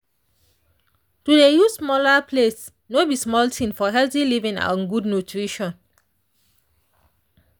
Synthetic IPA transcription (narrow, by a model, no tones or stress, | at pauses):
tudejusmɔlapʰles | nobismɔltʰĩnfɔɦɛltilivĩna̰nɡudnutʰɹiʃɔ̃n